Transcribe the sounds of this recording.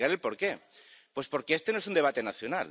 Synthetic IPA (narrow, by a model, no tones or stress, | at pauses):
ɣaɾe̞lpo̞ɾke̞pwe̞spo̞ɾkeest̪enoes̬und̪e̞β̞at̪e̞naθjona̰l